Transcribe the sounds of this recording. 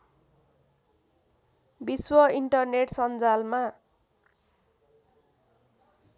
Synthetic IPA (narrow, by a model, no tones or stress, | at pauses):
biswʌiɳʈʌrneʈsʌnd͡zalma